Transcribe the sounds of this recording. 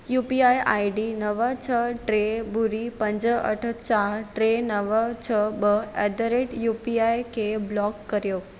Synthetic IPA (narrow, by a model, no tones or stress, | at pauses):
juːpiaiʔa̰iɖinəʋət͡ɕʰəʈɾebuɾipə̃ɲd͡ʑəə̰ʈʰət͡ɕaɾʈɾenəʋət͡ɕʰəbəɛd̪əɾeʈjupiajkʰeblɔkːəɾjoː